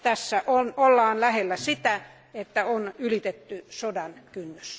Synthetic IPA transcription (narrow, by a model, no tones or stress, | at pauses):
t̪æsːæʔonolːɑːnlæhelːæsit̪æ | et̪ːæonylit̪et̪ːysodɑnkynːys